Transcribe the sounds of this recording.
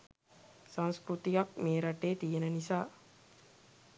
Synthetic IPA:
sãnskɾut̪ijak̚meːɾaʈeːt̪ijenənisaː

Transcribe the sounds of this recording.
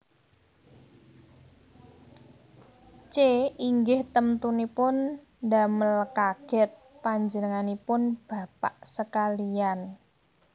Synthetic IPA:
t͡ʃeiŋɡɪht̪əmt̪unipʊn | daməlkaɡ̥ɛt̪̚paɲd͡ʒənəŋanipʊnb̥a̤paʔsəkalijan

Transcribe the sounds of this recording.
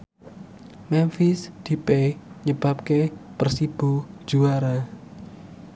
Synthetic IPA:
mɛnfisd̪̥i̤peɲəb̥a̤p̚kepərsib̥ud̥ʒ̥uaɾa

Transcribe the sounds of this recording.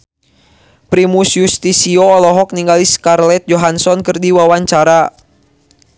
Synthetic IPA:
pɾimusjust̪isiɔːlɔɦɔk̚niŋɡaliskarlɛt̪̚d͡ʒɔɦansɔnkɨrdiwawaɲt͡ʃaɾa

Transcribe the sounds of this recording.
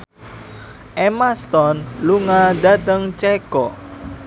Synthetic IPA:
ʔɛmast̪ɔnluŋadat̪əŋt͡ʃɛkɔ

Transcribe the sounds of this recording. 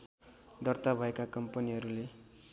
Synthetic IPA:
d̪ʌrt̪abʱʌekakʌmpʌniɦʌɾule

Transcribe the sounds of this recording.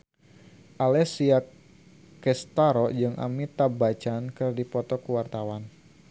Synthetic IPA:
ʔalɛsiak | kɛst̪aɾɔd͡ʒɨŋʔa̰mit̪abat͡ʃankərdipɔt̪ɔkuwart̪awan

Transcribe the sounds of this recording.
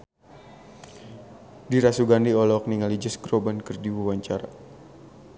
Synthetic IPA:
diɾasuɡandiɔlɔk̚niŋalid͡ʒəsɡrobankərdiwuwaɲt͡ʃaɾa

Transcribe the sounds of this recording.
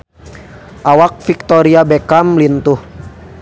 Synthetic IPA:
ʔawak̚fik̚t̪ɔɾiabɛkamlint̪uh

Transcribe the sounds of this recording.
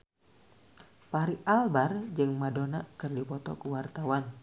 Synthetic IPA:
paɾiʔalbard͡ʒɨŋmadonakərdipɔt̪ɔkuwart̪awan

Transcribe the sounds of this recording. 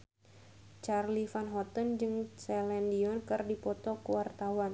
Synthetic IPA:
t͡ʃarlifanɦɔt̪ənd͡ʒɨŋsɛlɛndiɔnkɨrdipɔt̪ɔkuwart̪awan

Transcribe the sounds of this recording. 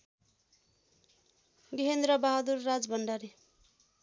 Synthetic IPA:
ɡiɦend̪ɾʌbaɦad̪urːad͡zbʌɳɖaɾi

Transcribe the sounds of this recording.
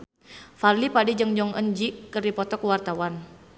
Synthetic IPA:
farlipadid͡ʒəŋd͡ʒɔŋənd͡ʒikərdipɔt̪ɔkəwart̪awan

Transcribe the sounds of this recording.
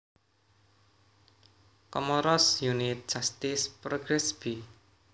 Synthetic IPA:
kɔmɔɾɔsjunit̪̚ʒ̥ast̪ispɾɔɡɾɛsb̥i

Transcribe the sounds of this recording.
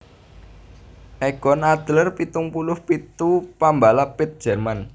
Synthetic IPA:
ʔɛɡ̥ɔnad̪̥lərpit̪ʊŋpulʊhpit̪upambalapɪt̪̚dd͡ʒ̥ɛrman

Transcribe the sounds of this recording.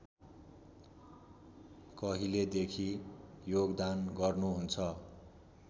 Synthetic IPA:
kʌɦiled̪ekʰijoɡd̪anɡʌrnuɦunt͡sʰʌ

